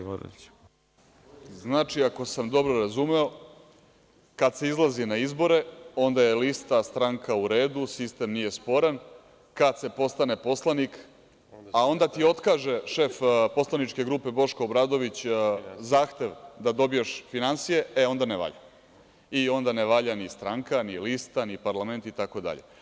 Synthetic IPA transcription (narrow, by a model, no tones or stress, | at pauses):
znaːt͡ʂiako̞samd̪o̞bɾo̞ɾazumeo̞ | kad̪se̞izlˠazinaizbo̞ɾe̞o̞nd̪ajelist̪ast̪ɾaŋkauɾe̞ːd̪usist̪e̞mnije̞spo̞ɾan | kad̪se̞po̞st̪ane̞po̞slˠanik | ao̞nd̪at̪io̞t̪kaːʒe̞ʃe̞fpo̞slˠanit͡ʃke̞ɡɾuːpe̞bo̞ʃkoːbɾaːd̪o̞ʋit͡ɕzaːxt̪e̞ʋd̪ad̪o̞bijeʃfinansije̞eo̞nd̪aneʋa̰ʎa̰ | io̞nd̪aneʋaʎanist̪ɾaŋkanilist̪anipaɾlame̞nt̪it̪ako̞d̪a̰ʎe̞̰